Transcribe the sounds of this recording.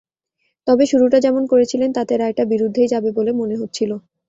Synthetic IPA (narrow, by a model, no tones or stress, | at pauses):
t̪ɔbeʃuɾuʈad͡ʑɛmonkoɾet͡ɕʰilent̪at̪eɾajʈabiɾud̪ʱːed͡ʑabebolemoneɦot̪ːɕʰilo